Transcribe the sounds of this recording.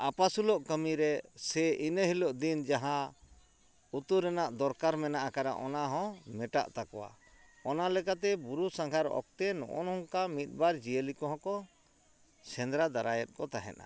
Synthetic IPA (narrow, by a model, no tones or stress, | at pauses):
apasuloʔkəmiɾɛsɛʔinəɦilɔʔd̪ind͡ʒaɦã | ut̪uɾɛnaʔd̪ɔɾkaɾmɛnaʔakaɾa̰ʔɔnaɦɔ̃mɛʈa̰ʔt̪akɔwa̰ | ɔnalɛkat̪ɛbuɾusaŋkʰaɾɔ̰k̚t̪ɛnɔ̰ʔɔ̰nɔŋkamit̪̚ˀbaɾd͡ʒijəlikɔɦɔ̃kɔ | sɛnd̪ɾad̪aɾajɛt̪̚ˀkɔt̪aɦɛ̰na̰